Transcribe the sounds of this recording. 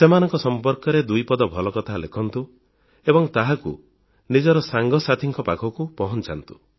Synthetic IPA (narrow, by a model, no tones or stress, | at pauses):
semanɔŋkɔsɔmpɔɾkɔɾed̪ujpɔd̪ɔbʱɔlɔkɔt̪ʰalekʰɔnt̪u | ebɔŋt̪aɦakṵ | nid͡ʒɔɾɔsaŋɡɔsat̪ʰiŋkɔpakʰɔkupɔɦɔnt͡ʃant̪u̥